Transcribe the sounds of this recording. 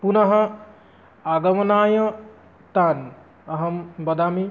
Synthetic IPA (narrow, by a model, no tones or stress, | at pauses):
punɐɦɐ | aɡɐmɐnaːjɐ̃ | t̪aːn | ɐɦɐmbɐd̪aːmi